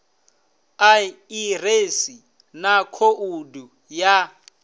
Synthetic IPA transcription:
airesi | nakʰoʔudu | ja

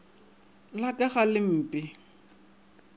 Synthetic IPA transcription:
lakʼaχalɪm̩ːpʼɪ

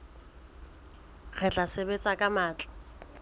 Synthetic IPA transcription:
ɣɛt͡ɬʼasebet͡sʼakʼamaːt͡ɬʼḁ

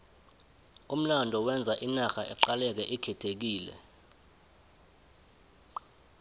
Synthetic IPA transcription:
um̩landʱɔwɛnd͡zʱaʔinaxaʔɛǃalɛk̬ɛʔikʰɛtʰek̬iːlɛ̰

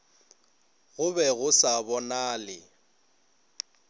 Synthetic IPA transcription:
ɣʊbɛɣʊsabɔnaːlɪ

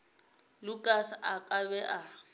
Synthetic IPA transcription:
lʊkʼasaʔakʼaβɛʔa

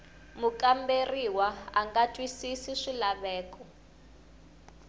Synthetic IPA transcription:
mukʼamberiwaaŋɡatʼwisisiʂilaβɛːkʼɔ

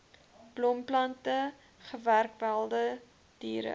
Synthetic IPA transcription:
b̥lɔmplɐntə | χəværk̚bælˠdə | d̥iːɾə̰

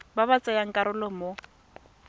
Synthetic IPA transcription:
baβat͡sʼɛjaŋ̩kʼaɾʊlɔmo

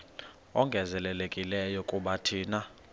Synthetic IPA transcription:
ɔŋɡʱɛzɛlɛlekʼilɛjɔkʼuɓatʰiːna

